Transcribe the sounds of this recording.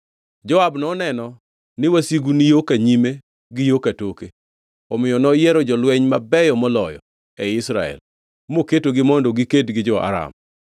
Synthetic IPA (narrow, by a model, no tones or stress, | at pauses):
d͡ʒɔabnɔnɛnɔ | nɪwasiɡunijokaɲime | ɡɪjokatoke | ɔmɪjɔnɔjɛɾɔd͡ʒɔlwɛɲmabɛjɔmɔlɔjɔ̰ | ɛɪsɾa̰ɛ̰l | moketoɡɪmɔndoɡiketɡɪd͡ʒɔa̰ɾa̰m